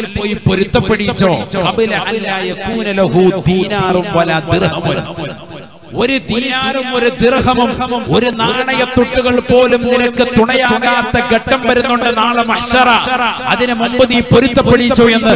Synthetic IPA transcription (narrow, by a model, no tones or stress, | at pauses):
ilpoːjipoɾut̪ːɐpːeɽit͡ɕːoːkɐbilɐilaːjɐkuːnɐlɐɦuːd̪iːnaːrumʋɐlɐd̪irhɐmu | o̞ɾud̪iːnaumo̞ɾud̪irɦɐmumoɾunaɾɐɳɐjɐt̪ːuʈːuɣɐɭpo̞ːlumninɐkːɨt̪uɳɐjaːuɳɐjaːt̪ːɐɡɐʈːɐmʋɐɾunːuɳɖɨnaːɭɨmɐhɕɐɾɐɐɐðinɨmumbɐðipoɾut̪ːɐpːeɽit͡ɕːoenːɨ